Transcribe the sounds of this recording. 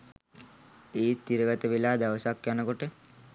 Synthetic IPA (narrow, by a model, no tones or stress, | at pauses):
eːt̪ːiɾəɡət̪əʋilaːd̪aʋəsakjanəkoʈe